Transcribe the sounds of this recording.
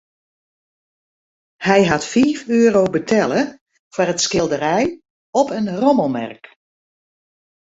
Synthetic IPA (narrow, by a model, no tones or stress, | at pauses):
hɛjɦatfiːfyəɾowbətʰɛlˠə | farətskɪlˠdəɾɛj | ɔpənrɔməlˠmɛ̰rk